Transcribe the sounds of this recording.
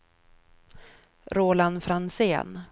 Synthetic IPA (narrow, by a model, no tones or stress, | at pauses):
ɾoːlanfɾansḛːn